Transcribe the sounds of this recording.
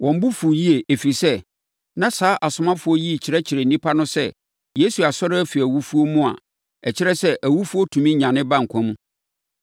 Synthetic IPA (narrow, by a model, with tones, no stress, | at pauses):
wɔ̃˨m̩˦bu˦fu˨ji˦e˨ʔe˨fi˨sɛ˦ | nã˦saː˦ʔa˨sʊ˨mã˦fʊ˦ɔ˦ji˦˨t͡ɕʰɪ˨ɾɛ˦t͡ɕʰɪ˨ɾɛ˨n˨nĩ˦pʰa˦nʊ̃˦sɛ̰˦˨ | je˦su˨a˨sɔ˦ɾɪ˦æ˦fi˨æ˨wu˦fu˦o˦mũ˦a̰˨ | ɛ˨t͡ɕʰɪ˦ɾɛ˦sɛ˦ʔæ˨wu˦fu˦o˦tʰũ˨mĩ˦ɲã˨nɪ̃˦bã˦ŋ̩˨kʷʰɔ̃˦mũ˦